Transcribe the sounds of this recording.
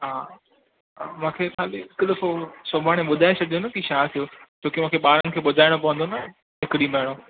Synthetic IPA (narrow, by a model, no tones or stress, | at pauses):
ɦaː | mãːkʰexaːliɪkɗ̪ɐfosɐbʱaːɽ̃ẽɓʊd̪ʱaːẽsɐd̪ʱijonɐkiʃaːt̪ʰijot͡ɕoːkimãːkʰeɓaːɾənɪ̆kʰeːɓʊd̪ʱaːɪɽ̃opɐʋ̤ə̃nd̪onɐ | ɦɪkɪɽimɐɦɪɽ̃o